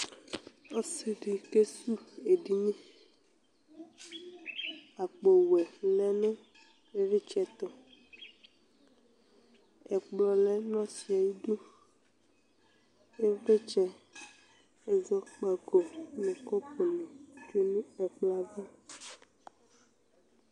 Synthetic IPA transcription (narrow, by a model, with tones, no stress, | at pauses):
o˦si˨ɖi˨ke˦su˦e˨ɖi˦ɲɛ̃˦ | a˨k͡po˨wɛ˨lɛ˦nɛ̃˦ | e˦vi˦t͡ʃɛ˦t̪ɔ˨ | ɛ˨k͡plɔ˨lɛ˦nɔ̃˦si˨a˨ji˦ɖu˦ | e˦ve˦t͡ʃɛ˦ | e˨zɔ˦k͡pa˨ɡo˨nɛ̃˨kɔ˦po˨nɔ̃˨t͡ʃo˦nĩ˦ɛ˨k͡pla˦vɔ˦